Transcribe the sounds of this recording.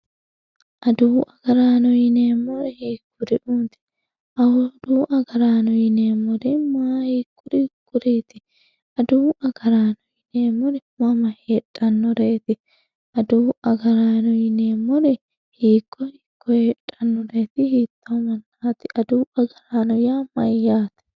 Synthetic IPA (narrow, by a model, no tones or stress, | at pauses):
ʔɐd̪uːʔɐɡ̥ɐɾaːnɔjɪneːmːɔɾɛhiːkʰːʊɾɪʔuːt̪ɪ̥ | ʔɐwɔd̪uːʔɐɡɐɾaːnɔjɪneːmːɔɾɪmaːhiːkːʊɾikːʊɾiːt̪ɪ | ɐd̪uːɐɡɐɾaːnɔjɪneːmːɔɾɪmɐmɐheᶑʼɐnːɔɾeːt̪ɪ | ʔɐd̪uːɐɡɐɾaːnɔjɪneːmːɔɾɛ | hiːkʰʼːɔhiːkʰːɔjeᶑʼɐnːɔɾeːt̪ɪhit̪ʰːomɐnːaːt̪ɪʔɐd̪uːɐɡɐɾaːnɔjaːmɐjːaːt̪ɪ̥